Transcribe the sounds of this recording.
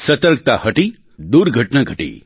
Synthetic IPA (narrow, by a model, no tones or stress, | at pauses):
sɐt̪əɾk̚t̪ahəʈi | d̪uɾɡʱəʈnaɡʱəʈḭ